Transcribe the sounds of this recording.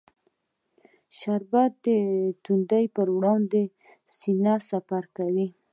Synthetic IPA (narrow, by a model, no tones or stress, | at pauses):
ʃaɾbat̪̚d̪ət̪und̪ajpəɾwɽɑwnd̪e | sinasafaɾkawi